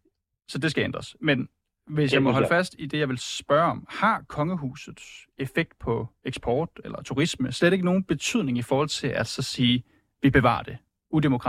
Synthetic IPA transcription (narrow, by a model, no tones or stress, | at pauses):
sɒ̽d̥e̝sɡ̥æend̥ʁɐsmen | ʋe̝s̬jɑ̈ɪmɒɦɒ̽ləfæsd̥id̥e̝jɑ̈ɪʋe̝lsb̥ɶɐɒ̽mhɑ̈kʰɒ̽ŋəɦṵːsð̩ˠse̝feɡ̥̚d̥̚pʰɒ̽eɡ̥sb̥ɒːd̥elɐt͡sʰuʁisməsleɾ̥eɡ̥əno̝ːn̩b̥e̝t͡sʰyð̞̰ˠne̝ŋifɒːhɒ̽l̰t͡sʰe̝lʔæd̥sɒ̽siː | ʋib̥e̝ʋɑ̰̈ːd̥e̝ | udemo̝kʰʁɑ